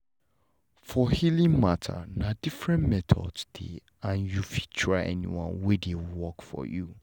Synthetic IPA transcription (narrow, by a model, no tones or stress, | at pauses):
fɔhilĩŋmatʰa̰nadifɹɛ̃nmɛtʰɔ̰dsd̥ḛ | ãnjufi̥tʰɹaʔɛ̰nḭwɔ̰̃nwedewwɔkfɔ̰ju